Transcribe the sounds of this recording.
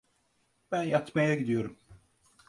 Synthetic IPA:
mænjɑt̪mɑjaɡʲid̪ijoɾum

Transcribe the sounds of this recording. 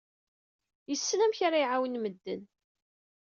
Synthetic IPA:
jəsːnæmçaɾajʕawnməd̪ːən

